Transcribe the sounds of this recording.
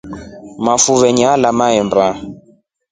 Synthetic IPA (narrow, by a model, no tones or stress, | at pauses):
mafuvɛɲalamaɛmba